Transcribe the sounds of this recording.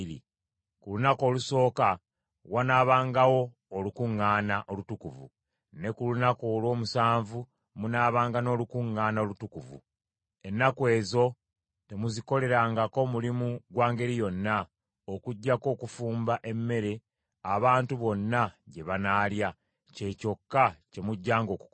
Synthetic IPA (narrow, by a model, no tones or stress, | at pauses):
ɾḭ | kulunako̞ːluso̞ːka | wanaːβaːŋɡawo̞ː | lukuŋːaːnaʔo̞lutukuvṵ | ne̞kulunako̞ːlwo̞ːmusaːɱvu | munaːβaːŋɡano̞ːlukuŋːaːnaolutukuvṵ | e̞nːakwe̞ːzo̞ | te̞muziko̞le̞ɾaŋɡako̞mulimuɡwaːŋɡe̞ɾijo̞nːa | okuɟːako̞ːkufuːmbaʔe̞mːe̞ɾe̞ | aβaːntuβo̞nːaɟe̞βanaːlja | ce̞co̞kːace̞muɟːaːŋɡo̞ku̥